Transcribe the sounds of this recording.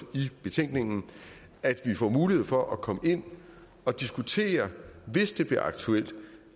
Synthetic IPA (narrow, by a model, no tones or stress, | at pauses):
ib̥e̝t͡sʰeŋ̰ɡ̥ne̝ŋn̩ | æd̥ʋifɒmuːlihe̝ð̞̰ˠfɒ̽ʔækʰɒ̽məe̝n̰ | ɒ̽d̥isɡ̥ut͡sʰe̝̰ːɐʋe̝sd̥e̝b̥liɐɑ̈ɡ̥t͡sʰuel̰d̥